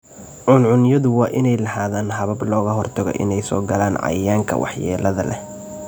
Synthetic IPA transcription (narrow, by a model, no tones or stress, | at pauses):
ʕʊnʕʊnjɐðʊwɑːʔɪnɛjlɐhaːðaːnɦɐβɐblɔːɣɐɦɔrt̪ʰɐɣɔ̰ʔɪ̰nɛjsɔ̰ːɡɐlaːnʕɑ̰jaːŋkʰɐ̰wʔɑ̰ħjɛ̰ːlɐðɐlɛ̰